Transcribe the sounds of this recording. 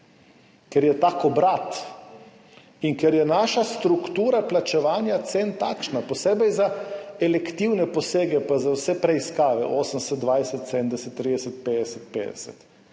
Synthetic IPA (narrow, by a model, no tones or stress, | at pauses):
kɛɾjɛt̪aːkɔbɾat̪ | iŋkɛɾjɛnaːʃast̪ɾukt̪uːɾaplat͡ʃɛʋaːnjat̪sent̪akʃnapɔseːbɛjzaɛlɛkt̪iwnɛpɔseːɡɛpazawsɛpɾɛiskaːʋɛ̰ʔoːsəmsɛd̪ʋajsɛt̪sɛd̪nd̪ɛsɛt̪ːɾiːd̪ɛsɛt̪̚peːd̪ɛsɛt̪peːd̪ɛ̰sɛ̰t̪